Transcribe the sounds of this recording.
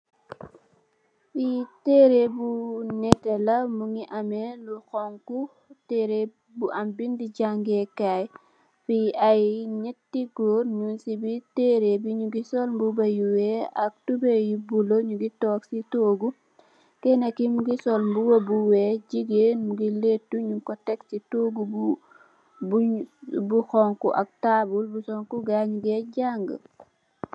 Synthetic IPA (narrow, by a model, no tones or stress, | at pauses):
fitɛːɾebunɛtɛlɐmuŋiʔɐmɛluxɔŋku | tɛːɾe | buʔɐmbindiɟaŋɡɛkaj | fiɐjɲɛtːiɡoːɾɲunsibiteːɾebiɲuɡisɔlmbubɐjuwɛɐk̚tubejibuloɲuɡitɔːksitoːɡu | kɛnekimuɡisɔlmbuwobuweɟiɡenmuɡiletːuɲuŋkɔtɛksitoːɡuu | bubuxɔŋkuʔɐk̚tabulbusɔŋkuɡaɲɡeɟaŋɡə̰